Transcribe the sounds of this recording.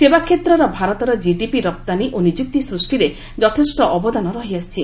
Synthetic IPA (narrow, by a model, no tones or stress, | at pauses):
sebakʰet̪ɾɔɾɔbʱaɾɔt̪ɔɾɔd͡ʒiɖipiɾɔp̚t̪aniʔonid͡ʒuk̚t̪isɾusʈiɾe | d͡ʒɔt̪ʰesʈɔʔɔbɔd̪anɔɾɔɦiast͡ʃʰi